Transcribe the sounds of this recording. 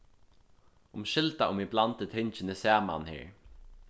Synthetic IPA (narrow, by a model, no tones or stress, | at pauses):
ʊmʃɪlt̪aʔʊmiblɑnt̪̚ət̪ʰhɪnt͡ʃənəsæːma̰nhḛːɹ